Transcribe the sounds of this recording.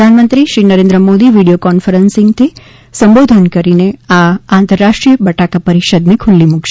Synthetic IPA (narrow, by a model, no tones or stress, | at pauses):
əd̪ʱanmənt̪ɾiʃɾinəɾẽnd̪ɾəmod̪iʋiɽijokɔnfəɾənsɪ̃ŋɡt̪ʰi | sə̃mbod̪ʱənkəɾineaãnt̪əɾːaʃʈɾijəbəʈakapəɾiʃəd̪nikʰulːimukʰʃe